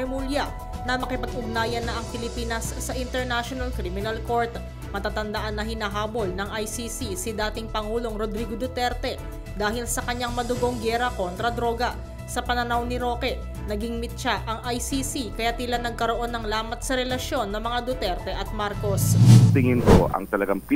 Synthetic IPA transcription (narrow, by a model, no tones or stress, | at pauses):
muljɐ | nɐmɐkɪpɐɡʔʊɡ̚naːjɐnːɐʔɐŋpɪlɪpiːnɐsːɐʔɪnt̪ɛɹnaʃonɐlkɾimɪnɐlko̞ɹt̪ | mɐt̪aːt̪ɐnd̪ɐʔanːɐhɪnaɦaːbo̞lnɐŋʔɐjsiːsisɪd̪aːt̪ɪŋpɐŋuːlo̞ŋɾod̪ɾiːɡod̪ʊt̪ɛɾt̪ɛ | d̪aːɦɪlsɐkɐɲaŋmɐd̪ʊɡo̞ŋɡɛːɾɐko̞nt̪ɾɐd̪ɾo̞ɡɐ | sɐpɐnɐnawnɪɾo̞kɛ | nɐɡɪŋmɪt̪̚ʃaʔɐŋʔɐjsisikɐjat̪ɪlanɐɡ̚kɐɾo̞ʔo̞nːɐŋlaːmɐt̪̚sɐɾɛlɐʃjo̞nːɐŋmɐŋad̪ot̪ɛɾt̪ɛʔɐt̪̚maɾko̞st̪ɪŋɪnkoʔɐ̰ŋt̪ɐlɐɡaŋp